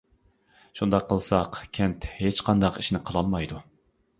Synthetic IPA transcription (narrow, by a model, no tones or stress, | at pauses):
ʃund̪ɑqʰːəlˠsɑqkʲʰɛnt̪het͡ʃqʰɑnd̪ɑqiʃnɪqʰəlˠɑlˠmɑjd̪u